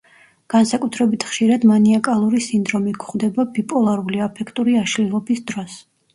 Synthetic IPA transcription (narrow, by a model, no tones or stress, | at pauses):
ɡ̥ansakʼut̪ʰɾɛbit̪ʰχʃiɾad̪maniakʼalˠuɾisind̪ɾɔmikʰχd̪ɛbabipʼɔlˠaɾuliapʰɛkʰt̪ʼuɾiaʃlilˠɔbisd̪ɾɔs